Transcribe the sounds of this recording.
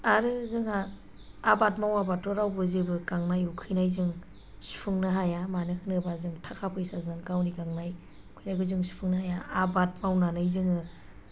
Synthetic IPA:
aɾɯzɯŋaː | batmawabatɔɾawbɯzibɯɡaŋnajukʰɯjnajzɯŋ | su̥pʰɯŋnɯɦajamanɯkʰɯnɯbazɯŋtʰakʰapʰɯjsazɯŋɡawniɡaŋnaj | kʰɯjnajɡɯzɯŋsu̥pʰɯŋnɯhajaːbat̚mawnanɯjzɯŋɯ

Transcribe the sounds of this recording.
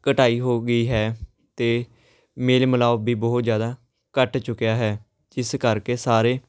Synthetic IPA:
kəʈaːiːɦoːɡəiːɦɛː | t̪eː | meːlməlaːbʱiːbɔɦʊt̪zjaːd̪aː | kəʈt͡ʃʊkjaːɦɛː | d͡ʒɪskəɾkeːsaːɾeː

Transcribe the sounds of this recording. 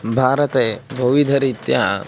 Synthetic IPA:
bʱaːɾɐt̪eːbʱɐʋid̪ʱɐɾit̪jaː

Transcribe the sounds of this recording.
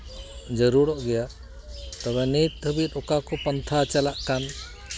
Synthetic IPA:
d͡ʒəɾuɽɔʔɡɛja | t̪ɔbɛnit̪̚t̪ʰəbit̪ɔkakɔpənt̪ʰat͡ʃalaʔkan

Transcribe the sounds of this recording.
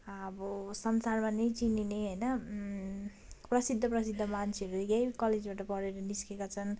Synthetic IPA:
ʌbʌsʌnsarmanejt͡sinineɦʌjnʌ | prʌsid̪ʱːʌprʌsid̪ʱːʌmant͡sʰeʌɾuɡajkʌled͡zbaʈʌpʌɾeɾʌniskekat͡sʰʌn

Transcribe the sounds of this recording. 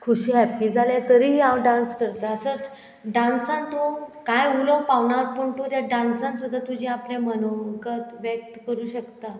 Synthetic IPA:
kʰuɕiːɦɛpiːd͡zʱalẽt̪əɾiawɖãnskəɾt̪aəsə | ɖãnsãnt̪okajuləʋpaʋɳaɾpəɳt̪ot̪jaɖãnsãnsud̪ʱːat̪ud͡ʑʱiaplamənokət̪ʋjək̚t̪kəɾuːɕəkt̪a

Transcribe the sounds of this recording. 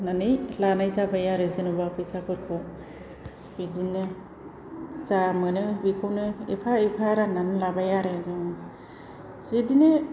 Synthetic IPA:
nanɯjlanajzabajaɾɯzɯnubapʰɯsakʰɯɾkʰɔ | bidine | zamɯnɯbikʰownɯipʰaipʰaɾananlabajaɾeɡe | sidine

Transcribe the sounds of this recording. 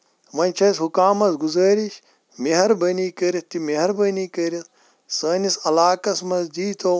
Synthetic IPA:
ʋɐnʲt͡ʃʰɐshukaːmɐsɡuzɐːɾiʃ | miɦɐɾbɐniːkɐɾist̪imeɦɐɾbɐniːkɐɾit̪ | sɐːnisɐlaːkɐsmɐzdiːt̪ʰo

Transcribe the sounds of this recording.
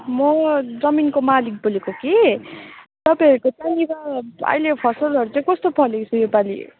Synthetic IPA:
mʌd͡zʌminkomalik̚bolekoke | t̪ʌpãɦʌɾukot͡sanibaʌ̰jlepʰʌsʌlʌɾut͡saĩkʌst̪opʰʌlekt͡sʰujepalḭ

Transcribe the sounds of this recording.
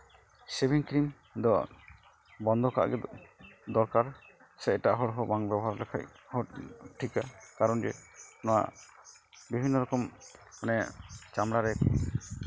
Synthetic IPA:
sebiŋkɾim | d̪ɔ | bɔnd̪ʱɔka̰ʔɡɛd̪ɔɾkaɾ | sɛʈaʔɦɔɽɦɔbaŋbjɛbɔɦaɾlɛkʰa̰jhɔʈʰikakaɾɔnd͡ʒɛnɔwa̰ | bibʱinːɔɾɔkɔmanɛt͡ʃamɽaɾɛk

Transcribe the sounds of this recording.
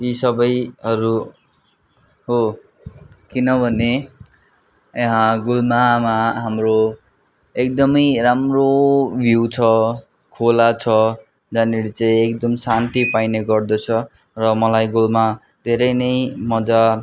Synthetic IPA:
isʌbʌjɦʌɾu | ɦo | kinʌbʱʌne | ɦãɡulmamaɦamro | ekd̪ʌmʌjɾamrobʱjuwt͡sʰʌ | kʰolat͡sʰʌ | d͡zaneɽit͡saĩekd̪ʌmsant̪ipajneɡʌrd̪ʌt͡sʰʌ | rʌmʌlajɡulma | d̪ʱeɾʌjnʌjmʌd͡za

